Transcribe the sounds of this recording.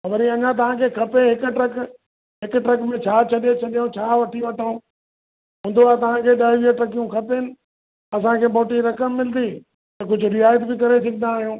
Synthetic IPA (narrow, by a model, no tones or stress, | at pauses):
xɐbəɾĩɐɲãt̪̬ɐʋ̤ãkʰeːkʰɐpeɦɪkʊʈɾɐk | ɦɪkʊʈɾɐkmẽt͡ɕʰaːt͡ɕʰɐɗet͡ɕʰɐɗijõt͡ɕʰaːʋɐʈʰiʋɐʈʰã | ɦʊ̃nd̪oaːt̪ɐʋ̤ãkʰeːɗɐːʋiʈɾɐkijũkʰɐpeɪnɪ̆ | ɐsãkʰeːboːʈiɾɐkəmːɪld̪i | t̪ɐkʊd͡ʑʱʊɾiaːjət̪bɪkɐɾesɐɡɪnd̪aːɦijũː